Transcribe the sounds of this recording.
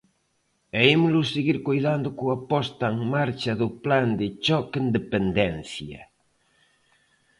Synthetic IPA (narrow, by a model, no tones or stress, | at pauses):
ɛemlʊseɣiɾkojðand̪ʊkʊapɔst̪aŋmaɾt͡ʃɐðʊpland̪ɪt͡ʃɔkend̪epend̪ɛnθjɐ̰